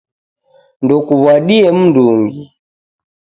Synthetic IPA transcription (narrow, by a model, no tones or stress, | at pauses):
ndɔkuβwaɗiɛm̩nduŋɡi